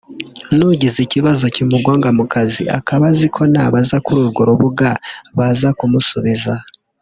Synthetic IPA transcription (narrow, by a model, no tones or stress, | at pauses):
nuɟiziciβazocimuɡwaːŋɡamukazḭʔa̰kaβazikʰo̞naβazakuɾuɾuɡoɾoβuɡaβazakumusuβiza